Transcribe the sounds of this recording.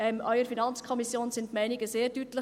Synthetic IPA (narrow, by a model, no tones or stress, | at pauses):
ɛmʔœʏəɾfinɑnt͡skʰɔmisjoːnsɪntmɛɪnɪɡəseːɾdytlə